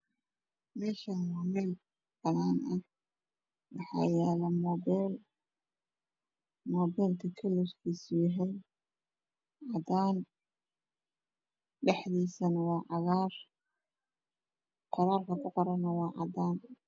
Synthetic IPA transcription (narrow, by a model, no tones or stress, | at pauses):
mɛːʃɐmaːmɛl | b̥ɐnaːnʔɐ | wɑħɑ̰ːjɛːlɐmɔːbɛl | mɔːbɛːlk̪ʰɐkʰɐlʊskʰiːsʊjɐɦɛj | ʕɑd̪aːn | ɖɛħðiːsɐnɐwɑːʕɑɣaːr | qɔɾaːrkʰɐkʰʊqɔɾɐnɐwɑːʕɑ̰d̪aːn